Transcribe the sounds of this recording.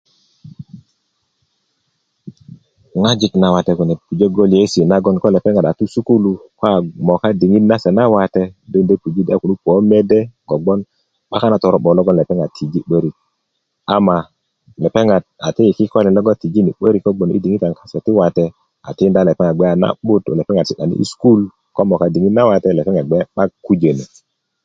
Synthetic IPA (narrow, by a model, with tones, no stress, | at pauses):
ŋa˦d͡ʒi˦˨kna˨wa˨te˨ku˨ne˨pu˨d͡ʒe˦ɡo˦li˨e˦si˨na˦ɡɔ˦nkɔ˦le˨pe˦ŋa˨da˨tu˦su˦ku˦lu˨ko˦a˨mɔ˨ka˦di˨ŋi˦dna˦se˨na˦wa˨te˦do˦nde˦pu˨d͡ʒi˦da˨˦ku˨nu˦po˨˦me˦de˦ɡ̥o˨ɡ͡bɔ˦n | ɓa˦ka˦na˦tɔ˨ɾɔ˦ɓɔ˨lɔ˦ɡɔ˦nle˨pe˦ŋa˨tʰi˨d͡ʒi˦ɓə˦ɾi˨k̚ | a˨ma˨ | le˨pe˦ŋa˨d̚a˨ti˦ji˨ki˦kʷa˦li˨lɔ˦ɡɔ˦ti˨d͡ʒi˦ni˨ɓə˦ɾi˦kːɔ˦ɡ͡bo˨nḭ˦di˨ŋi˦ta˨ŋka˨se˨ti˦wa˨tɛ˦ | a̰˨ti˦nda˦le˨pɛ˦ŋa˨ɡ͡bɛ˦a˨na̰˦ɓu˦to̰˨le˨pɛ˦ŋa˨dsi˨ɗa˨nḭ˦ḭ˦sku˦l | kɔ˦mɔ˨ka˦di˨ŋi˦tna˦wa˨tɛ˦lɛ˨pɛ˦ŋa˨ɡ͡bɛ˦ɓa˦kːu˦d͡ʒe˨ne˨